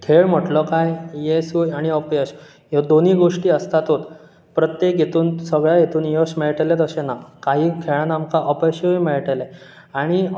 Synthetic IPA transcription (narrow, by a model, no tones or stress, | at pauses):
kʰeɭm̤əʈlɔkajjesuaɽ̃iəpjeɕ | jed̪oniːɡoʂʈiːəst̪at̪ɦot̪ | pɾət̪jek̚ɡʱjet̪uːnsəɡɭjajet̪uːnjosmeɭʈelet̪əsẽnakaɦiːkʰeɭanamkaʔəpeɕeujmeɭʈele | aɽ̃i